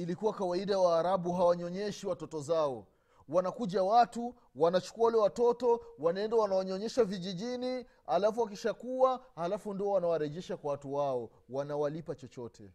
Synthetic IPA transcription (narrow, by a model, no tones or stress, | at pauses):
ilikuwakawaiɗajawaːɾaɓuɦawaɲɔɲɛʃiwatɔtɔzaɔ | wanakuʄawatu | wanat͡ʃu̥kuawalɛwatɔtɔwanaɛndawanaaɲɔɲɛʃaviʄiʄini | alafuwak̬iʃakuwahalafundiɔwanawaɾɛʄɛʃakwawatuwaɔ | wanawalipat͡ʃɔt͡ʃɔtʰɛ̰